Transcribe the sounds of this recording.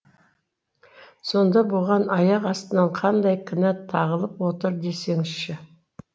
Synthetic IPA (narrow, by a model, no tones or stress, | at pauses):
so̞nd̪ɑbʊʁɑnɑjɑqɑst̪ənɑɴqʰɑnd̪ɑjkʲʰɪnɑt̪ʰːɑʁəlˠəpwo̞t̪əɾd̪e̞se̞ŋɪsʃɪ